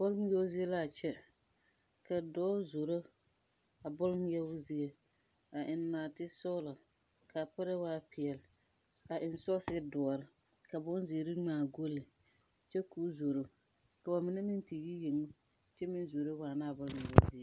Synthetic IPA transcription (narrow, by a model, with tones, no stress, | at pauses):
b̥ʊ˦lm˦jɛ˦ʊ˦zi˦e˦la˦˨t͡ʃɛ˦ | ka˨dɔː˦zo˨ɾo˦ | a˨bʊ˦lm˦jɛ˦ʊ˦zi˦e˦ | a˨ʔɪ˨nː˦aː˨tɪ˦sɔ˦la˨ | ka˨pa˦ɾɛ˦waː˦pʰɪ˨ɛ˨lɪ˨ | a˨ʔɪ˨nsɔ˦sɪ˦dɔ˨ɔ˨ɾɪ˦ | ka˨bʊ˦n˦zi˨e˨ɾi˦ŋ͡maː˨ɡo˦lɪ˨ | t͡ʃɛ˦ku˦zo˨ɾo˨ | ka˨ba˨mɪ˨˦nɛ˦mɪ˦nti˨ji˦je˨ŋʊ˦ | t͡ʃɛ˦mɪ˦n˦zo˨ɾo˦waː˨na˦˨bʊ˦lm˨jɛ̰˦zi˦e˦